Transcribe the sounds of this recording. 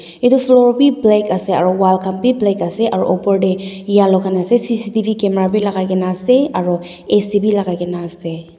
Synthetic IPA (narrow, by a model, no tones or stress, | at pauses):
ituflɔɹbiblekasɛaɹɔwalkampiblɛkasɛʔaɹɔ̰ʔɔpɔɹɖɛjalɔkanasɛsisitibʱikɛmɹabilaɡajɡɛnasɛaɹɔ | esibilaɡajɡɛnaːse